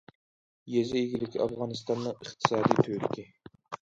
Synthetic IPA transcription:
jezɪiɡʲilɪkʲʰiɑfʁɑːnɨst̪ɑnːɨŋəχt̪ʰɨ̥sɑːd̪ijt̪ʰøɾɪkʲi

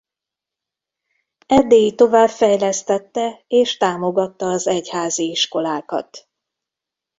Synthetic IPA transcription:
ɛd̪ːejit̪o̞vaːbfɛjlɛst̪ɛt̪ːɛeːʃt̪aːmo̞ɡɒt̪ːɒːzɛchaːziiʃko̞laːkɒ̰t̪

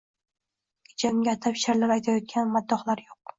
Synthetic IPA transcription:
d͡ʒamɡʲat̪ʰapʰʃaɾlapajt̪ʰajɒt̪̚kʲʰanmad̪ːɒχlˠaɾjoq̚

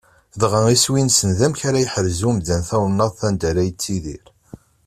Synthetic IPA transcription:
ðʁəiswinsənðæmçaɾæjħəɾzumðænθæwnːəðˤθænd̪æɾæjt͡sːiðḭɾ

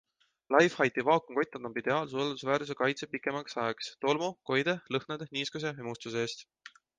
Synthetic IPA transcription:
lɑjfhɑjt̪ivɑːkoŋko̞jt̪ːˑɑd̪ɑmbid̪̥e̞ɑːls̬ueld̪usvæːɾusekɑjt̪sepikːˑe̞mɑksɑekst̪o̞lmoko̞jd̪̥e̞lɤhned̪niːskus̬e̞emust̪us̬eeːst̪

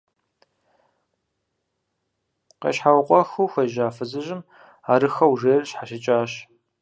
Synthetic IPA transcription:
qḛɕħawqʷʼɔxuːxʷɐjʒaːfɨzɨʑɪm | aːɾɨxɐwʐeːrɨɕħaʃɪt͡ʃʼaːɕ

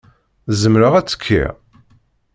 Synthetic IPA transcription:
zəmɾəʁæt͡sːə̥kʰːḭ

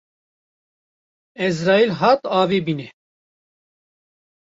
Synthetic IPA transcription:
ɛzɾɑːilɦɑːt̪ɑːveːbiːnɛ

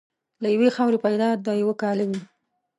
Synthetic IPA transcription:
lajawexawɾepajd̪ɑd̪ɑjawəkɑləɡi

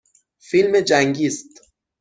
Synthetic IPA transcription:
filmed͡ʒæŋɡiːst̪

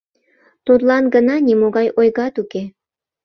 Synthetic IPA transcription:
t̪ot̪lɑnɡənɑnʲimoɣɑjojɣɑt̪uke

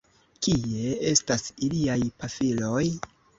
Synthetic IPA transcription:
kie̞e̞stasiliajpafilo̞j

